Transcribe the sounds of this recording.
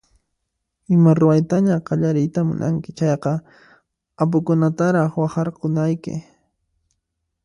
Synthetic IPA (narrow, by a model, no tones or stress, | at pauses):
ɪmaɾʊwajt̪aɲaqɑʎaɾɪjt̪amʊ̰nʔa̰ŋkɪt͡ʃɑjqɑ | ap̬ʊkʊnat̪aɾɑχwɑχɑɾqʊnajkɪ̰